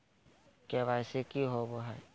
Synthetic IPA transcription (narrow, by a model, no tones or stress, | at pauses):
keʋaːɪsekiɦoboɦɛː